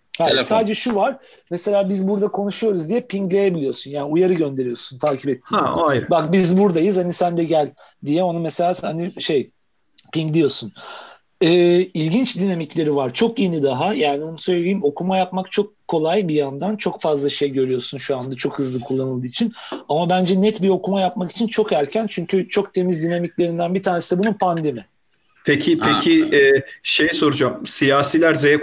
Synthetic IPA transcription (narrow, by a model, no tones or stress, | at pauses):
hajsaːd̪d͡ʒɛʃuvaɾ̥ | mese̞lʲaːbizbuɾd̪akʰo̞nuʃujo̞ɾuzd̪ijɛpʰiŋklʲe̞jebilʲijo̞sunjaːniujaɾɯɟø̞nd̪e̞ɾijo̞sunt̪ʰaːcʰipɛt̪ʰːiːbak̚bizbuɾd̪ajɯzhanisænd̪ɛɟælʲ | d̪ijɛo̞numɛse̞lʲaːhaniʃe̞j | piŋkd̪ijo̞sun | ɛːilʲɟint͡ʃd̪inamiclʲe̞ɾivaɾt͡ʃʰo̞kje̞nid̪aɦajaːnionusø̞lʲeijːimo̞kʰumajapmakt͡ʃʰo̞kʰːo̞lˠajbijand̪ant͡ʃʰo̞kfazlˠaʃe̞jɟø̞ɾyjo̞sunʃuand̪at͡ʃʰo̞khɯzlˠɯkʰulˠːanɯlˠd̪ɯːit͡ʃʰinamabænd͡ʒɛnɛt̪biɾo̞kʰumajapmaki̥t͡ʃʰint͡ʃʰo̞kæɾcʰænt͡ʃʰyɲcʰyt͡ʃʰo̞k̚t̪ʰe̞mizd̪inamiclʲe̞ɾind̪ænbit̪ʰaːnesɛbununpʰand̪e̞mi | pʰecʰɪpʰecʰiɛːʃe̞jso̞ɾud͡ʒamsijaːsilʲæɾzejɛk